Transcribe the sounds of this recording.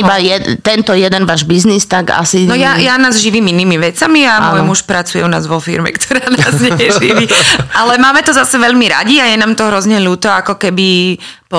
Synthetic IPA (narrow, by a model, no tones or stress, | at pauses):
ibajɛt̪ɛnt̪ɔjɛd̪ɛnʋaːʒbiznist̪aɡa̰sinɔjajanaːzʒiʋiːminiːmiʋɛt͡samiammɔjmuʃpɾat͡sujɛ̰una̰ːzʋɔfḭɾmɛ̰kt̪ʰɔ̥ɾaːnnaːzɲɛjɛʒiʋiʔalɛmaːmɛt̪ɔzasɛʋɛʎmiɾa̰ɟiajɛnaːmt̪ɔɦɾɔzɲɛʎuːt̪ɔakɔkɛbi | pɔ